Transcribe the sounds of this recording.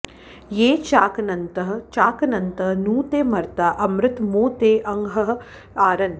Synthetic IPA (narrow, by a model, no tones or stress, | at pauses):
jeːt͡ʃaːkɐnɐnt̪ɐɦɐ̆t͡ʃaːkɐnɐnt̪ɐɦnuːt̪eːmɐɾt̪aʔɐmɾɪt̪moːt̪eːʔɐŋɡɦɐɦɐ | aːɾɐn